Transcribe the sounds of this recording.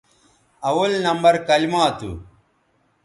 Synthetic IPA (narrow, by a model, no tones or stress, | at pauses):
ɐwɐlnɐmbɐɾkɐlimaːt̪ṵ